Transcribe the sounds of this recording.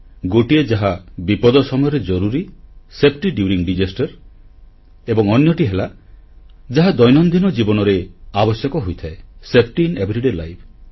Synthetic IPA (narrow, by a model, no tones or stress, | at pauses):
ɡoʈied͡ʒaɦabipɔd̪ɔsɔmɔjɔɾed͡ʒɔɾuɾisepʰʈiɖjuɾiŋɖid͡ʒesʈɔɾ | ebɔŋɔnjɔʈiɦela | d͡ʒaɦad̪ɔjnɔnd̪inɔd͡ʒibɔnɔɾeabɔsjɔkɔɦojt̪ʰaesepʰʈiːnebʱɾiɖelajpʰ